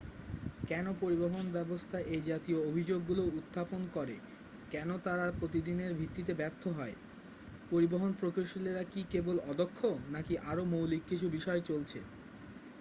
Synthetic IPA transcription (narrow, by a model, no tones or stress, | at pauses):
kɛnopoɾiboɦonbɛbost̪ʰaʔejd͡ʑat̪ioobʱid͡ʑoɡːulout̪ːaponkɔɾe | kɛnot̪aɾapɾot̪id̪ineɾbʱit̪ːit̪̬ebɛɾt̪ʰːoɦɔe | poɾiboɦonpɾokoʃoleɾakikebolɔd̪okʰːonakiʔaɾomowlikːit͡ɕʰubiʃɔet͡ɕolt͡ɕʰḛ